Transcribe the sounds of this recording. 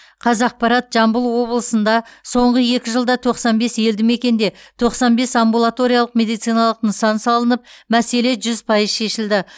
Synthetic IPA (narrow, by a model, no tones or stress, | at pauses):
qʰɑzɑq̚pɑɾɑt̪ʒ̥ɑmbəlˠwo̞bəlˠəsənd̪ɑso̞ɴʁəje̞kʲɪʒəlˠd̪ɑt̪ʰo̞qsɑnbe̞sje̞ld̪ɪme̞kʲe̞nd̪e̞t̪ʰo̞qsɑnbe̞sɑmbulˠat̪o̞ɾijɑlˠəqmʲe̞d̪ijt̪sɨjnɑlˠəqnəsɑnsɑlˠənəp̚mæse̞le̞ʒʏzpʰɑjəzʃe̞ʃɪld̪ɪ